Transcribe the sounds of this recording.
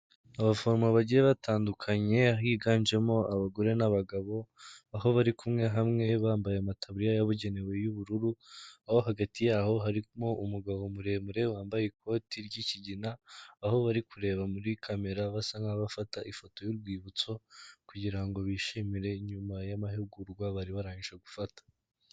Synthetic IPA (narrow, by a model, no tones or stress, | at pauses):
aβafo̞ɾmaβaɟiɾe̞βatʰaːndukʰaɲe̞aɦiːɡaːnd͡ʒe̞mo̞aβaɡo̞ɾe̞naβaɡaβo̞aɦo̞βaɾikumŋe̞ɦamŋe̞βaːmbajeamatʰaβuɾijajaβuɟe̞ne̞we̞juβuɾuɾuaho̞ɦaɡatijaːho̞ɦaɾimoʔumuɡaβo̞muɾe̞muɾewaːmbajekʰo̞tiɾɟiciɟinaːho̞βaɾikuɾe̞ːβamuɾikʰame̞ɾaβasaŋɡaβafataʔifo̞to̞juɾɡwiːβut͡so̞kuɟiɾaŋɡo̞βiːʃimiɾe̞ɲumajamaɦeɡuɾɡwaβaɾiβaɾaːɲiʃaɡufatḁ